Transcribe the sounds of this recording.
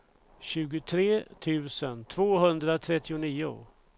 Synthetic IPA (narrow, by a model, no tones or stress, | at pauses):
ɕʉ̟ːɡʊt̪ʰɾeːt̪ʰʉ̟ːsənt̪ʰvoːɦɵnd̪ɾat̪ʰɾɛt̪ːɪʊniːʊ̰